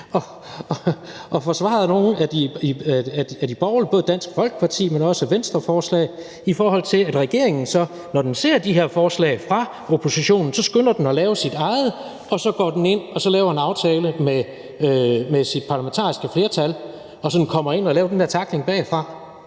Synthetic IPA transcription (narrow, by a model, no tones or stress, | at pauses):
ɒ̽ | ʔɒ̽fɒsʋɑ̰̈ð̞̩ˠno̝ːn̩æd̥iiæ̥æd̥ib̥ɒʊlib̥ɔ̽ːð̩ˠd̥æn̰sɡ̥ə̥fɒ̽lɡ̥ə̥pʰɑ̈t͡sʰḭːmenɒ̽sæʋensd̥ʁɐfɒːslɛ̰ːɪ | ifɒːɦɒ̽l̰t͡sʰe̝læd̥ʁɛɡ̥e̝ɐ̰e̝ŋn̩sɒ̽ | nɒd̥ense̝ɐ̰d̥iɦe̝ɐfɒːslɛ̰ɪfʁɑ̈ | opʰo̝siɕo̝̰ːnn̩sɒ̽sɡ̥ønɐd̥en̩ɒ̽lɛːʊəsid̥ɑ̈ɪð̞̩ˠ | ʔɒ̽sɒ̽ɡ̥ɒ̰ːd̥ene̝n̰ɒ̽sɒ̽lɛːʊɐe̝nɑ̈ʊt͡sʰɛːləme | ømesid̥̚pʰɑ̈læment͡sʰɑ̰̈ːisɡ̥əfle̝ːɐt͡sʰæl | ɒ̽sɒ̽d̥n̩kʰɒ̽m̰ɐe̝nɒlɛːʊd̥enheɐt͡sʰɑ̈ɡ̥le̝ŋb̥ɛ̰ːfʁɑ̈